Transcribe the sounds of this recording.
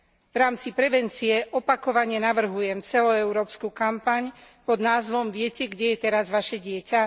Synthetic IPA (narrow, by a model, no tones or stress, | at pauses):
vɾaːmt͡sipɾɛʋɛnt͡siɛʔɔpakɔʋaɲɪɛnaʋr̩ɦujɛmt͡sɛlɔɛʊɾɔːpskukampaɲpɔd̪naːzʋɔmʋɪɛcɛɡɟɛjɛt̪ɛɾazʋaʃɛɟɪɛca